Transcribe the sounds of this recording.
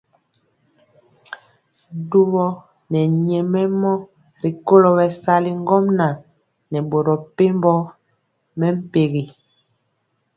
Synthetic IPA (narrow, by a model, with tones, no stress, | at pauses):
du˦βɔ˦ | nɛ˨ɲɛ˨mɛ˦mɔ˦ | ɾi˨ko˦lo˨βɛ˨sa˦li˦ŋ˦ɡɔ˦mna˨ | nɛ˨bo˨ɾɔ˨pe˦mbɔ˦ | mɛ˦m̩˦pe˨ɣi˨